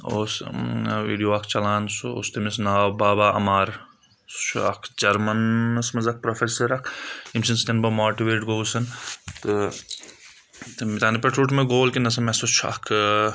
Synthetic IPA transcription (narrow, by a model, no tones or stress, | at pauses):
oːsʋḭːɖijoːɐkʰt͡ʃɐlaːnsuo̰st̪emisnaːbaːbaːʔɐ̰maːɾ | su̥t͡ʃʰɐ̰kʰd͡ʒɐɾmɐnɐsmɐzɐk̚pɾofʰeːsɐɾɐkʰimsʰinst̪ɐnbɐmoːʈiʋeːʈɡoːsɐnt̪ɨ | t̪mit̪aːnipeʈɾuːʈmeɡoːlkinɐs̬ɐmesut͡ʃʰa̰kʰ